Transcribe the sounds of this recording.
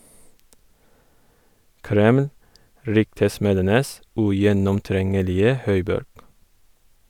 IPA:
ˈkɾɛml ˈɾʏktəˌsmeːdənəs ʉjɛnɔmˈtɾɛŋəlɪə ˈhœʏˌbɔɾɡ

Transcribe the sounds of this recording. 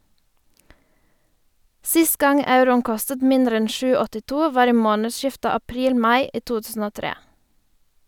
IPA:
ˈsɪst ˈɡɑŋ ˈɑʉɾʊn ˈkɔstət ˈmɪndɾ ˈɛn ˈʃʉː ɔtɪˈtuː ˈʋɑːɾ ˈiː ˈmoːnəˌʃɪftə ɑˈpɾiːl ˈmɑɪ ˈiː ˈtuː ˈtʉːsn̩ ˈoː ˈtɾeː

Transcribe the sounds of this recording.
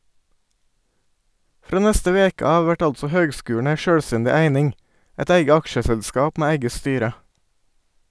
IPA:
ˈfɾoː ˈnɛstə ˈʋeːkə ˈɑːʋʋ ˈʋæʈ ˈɑltsɔ ˈhøːɡˌskʉːɳ̩ ˈæɪ ˈʃøːɽˌstɛndɪ ˈæɪnɪŋ ˈɛt ˈæɪɡə ˈɑkʃəsɛʎˌskɑːp ˈmeː ˈæɪɡə ˈstyːɾə

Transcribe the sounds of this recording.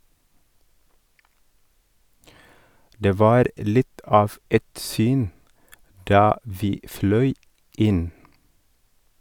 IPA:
ˈdeː ˈʋɑːɾ ˈlɪt ˈɑːf ˈɛt ˈsyːn ˈdɑː ˈʋiː ˈflœʏ ˈɪn

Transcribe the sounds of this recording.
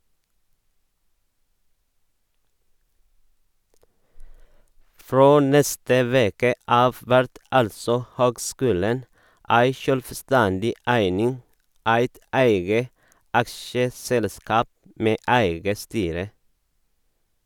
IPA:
ˈfɹoː ˈnɛstə ˈʋeːkə ˈɑːʋ ˈʋæɾt ˈɑlsɔ ˈhøːɡˌskʉːlən ˈæɪ ʃœlʋˈstændɪ ˈæɪnɪŋ ˈæɪt ˈæɪɡə ˈʔɑkʃəˌsɛlˌskɑːp ˈmeː ˈæɪɡə ˈstyːɾə

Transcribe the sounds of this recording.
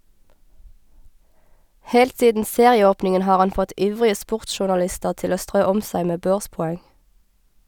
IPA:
ˈhɛlt ˈsiːdn̩ ˈseːʁɪəˌoːpnɪŋən ˈhɑːʁ ˈɑn ˈfɔt ˈʔiːʋʁɪə ˈspʊʁtʃʊʁnɑˌlɪstəʁ ˈtɪl ˈoː ˈstʁøː ˈɔm ˈsæɪ ˈmeː ˈbøːʁspɔˌɛŋ

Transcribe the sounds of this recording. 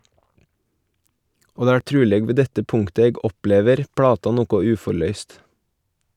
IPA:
ˈoː ˈdeː ˈæː ˈʈɾʉːlɛɡ ˈʋeː ˈdɛtə ˈpʊŋtə ˈeːɡ ˈɔˌpleːʋəɾ ˈpɽɑːtɑ ˈnuːkʊ ˈʉːfɔɾˌlœʏst

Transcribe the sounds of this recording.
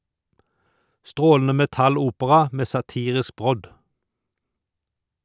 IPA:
ˈstʁoːln̩ə ˌmɛˈtɑˌluːpəʁɑ ˈmeː sɑˈtiːʁɪsk ˈbʁɔd

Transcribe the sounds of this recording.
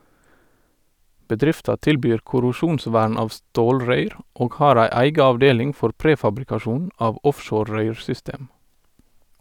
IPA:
bəˈdɾɪftɑ ˈtɪlˌbyːɹ kʊɾʊˈʃuːnˌsʋæːɳ ˈɑːʋ ˈstoːlɹœʏɾ ˈʔoːɡ ˈhɑːɾ ˈæɪ ˈæɪɡɑ ɑʋˈdeːlɪŋ ˈfɔɾ ˈpɾeːfɑbɾɪkɑˌʃuːn ˈɑːʋ ˈɔfʃoːɾ ˈɹœʏɹsʏˌsteːm

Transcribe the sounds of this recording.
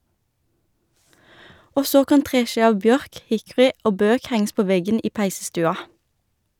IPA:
ˈoː ˈsoː ˈkɑn ˈtʁeːˌʃiː ˈɑʋ ˈbjœʁk ˈhɪkʊʁɪ ˈoː ˈbøːk ˈhæŋ̍s ˈpoː ˈʋɛɡən ˈiː ˈpæɪsəˌstʉːɑ

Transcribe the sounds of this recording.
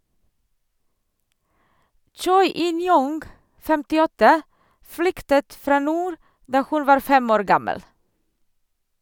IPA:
ˈt͡ʃɔʏ ˈɪnˌjʊŋɡ fɛmtɪˈɔtə ˈflʏktət ˈfɾɑː ˈnuːɾ ˈdɑː ˈhʉn ˈʋɑːɾ ˈfɛm ˈoːɾ ˈɡɑməl

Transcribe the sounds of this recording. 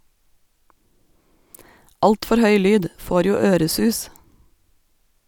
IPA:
ˈɑltfɔɾ ˈhœʏ ˈlyːd ˈfoːɾ ˈjuː ˈøːɾəˌsʉːs

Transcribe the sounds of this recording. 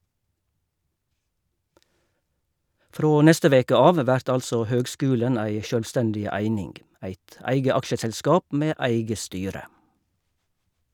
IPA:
ˈfɾoː ˈnɛstə ˈʋeːkə ˈɑːʋ ˈʋæɾt ˈɑlsɔ ˈhøːɡˌskʉːlən ˈæɪ ˌʃœlʋˈstɛndɪ ˈæɪnɪŋɡ ˈæɪt ˈæɪɡə ˈɑkʃəsɛlˌskɑːp ˈmeː ˈæɪɡə ˈstyːɾə

